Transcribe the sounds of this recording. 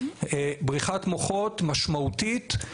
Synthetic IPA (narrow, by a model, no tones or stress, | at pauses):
ebʁiχatmoχotmaʃmautit